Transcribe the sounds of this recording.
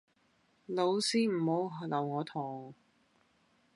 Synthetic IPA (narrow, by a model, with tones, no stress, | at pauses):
lo˨˧wsiː˥m̩˨˩ho˨˧˥wɦlɐ˨˩wŋɔː˨˧t̪ʰɔː˨˩ŋ